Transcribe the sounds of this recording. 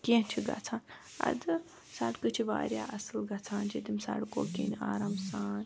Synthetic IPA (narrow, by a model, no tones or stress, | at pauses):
kĩt͡ʃʰiɡɐ̰t͡sʰaːn | ɐ̰d̪ɨ | saɽkɨt͡ʃʰiʋa̰ːɾʲjaːʔɐsɨlɡɐt͡sʰaːnd͡ʒed̪imsa̰ɽko̰ːkḭːnaːɾaːmsaːn